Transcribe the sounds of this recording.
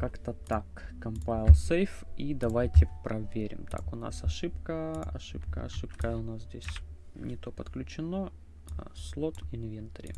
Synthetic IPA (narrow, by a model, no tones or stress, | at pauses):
kakt̪ət̪akːɐmpajɪlˠsejfid̪ɐvajtʲɪpɾʔɐvʲeɾʲɪ̰mt̪ʰa̰kʊna̰sɐʂɨpkəɐ̰ʂɨpkə̰ɐ̰ʂɨpkəʊnaszʲdʲesʲ | nʲɪt̪o̞pət̪klʲʉt͡ɕɪno | slˠot̪ɪnvʲent̪ɐɾʲɪ̰